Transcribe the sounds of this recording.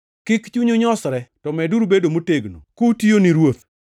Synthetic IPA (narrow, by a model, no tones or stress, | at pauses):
kɪkt͡ʃuɲoɲɔsɾɛtɔmɛduɾubedomoteɡno̰kutioniɾwot̪